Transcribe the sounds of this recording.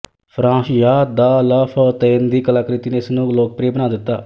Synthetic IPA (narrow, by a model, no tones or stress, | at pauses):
pʰɾãːsjaːd̪aːlaːpʰət̪eːnd̪iːkəlaːkɾɪt̪iːneːɪsnũːloːk̚pɾeːbənaːd̪ɪt̪ːa̰ː